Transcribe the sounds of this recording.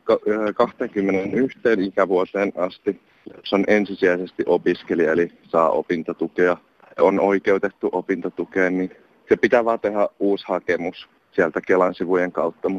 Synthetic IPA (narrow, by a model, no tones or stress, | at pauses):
kɑːkɑht̪eŋkymːenenyht̪eːnikæʋuot̪eːnɑst̪i | lepsonʔensisiæisest̪iʔopiskelielisɑːʔo̰pint̪ɑt̪ukeɑ | onoikeut̪et̪ːuʔopint̪ɑt̪ukeːnnin | sepit̪æʋɑːt̪ehæuːshɑkemus | siælt̪ækelɑnsiʋujeŋkɑut̪ːɑmu